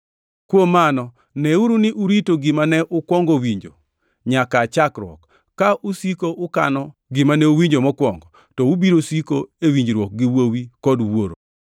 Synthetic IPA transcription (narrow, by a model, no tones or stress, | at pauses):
kwomːanɔ | nɛuɾunɪʔuɾitoɡɪmanɛʔʊkwɔŋɡowiɲd͡ʒo̰ | ɲakat͡ʃakɾwɔ̰kː | aʔusikoʔʊka̰nɔɡɪmanɛuwiɲd͡ʒomɔkwɔŋɡɔ | tɔubiɾosikoewiɲd͡ʒɾwɔk̚ɡɪwowikɔdwoɾo̰